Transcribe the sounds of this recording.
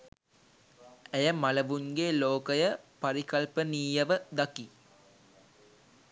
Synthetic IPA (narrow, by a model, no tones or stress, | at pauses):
æjəmaləʋunɡeːloːkəjəpaɾikɐlpəniːjəʋəd̪ɐki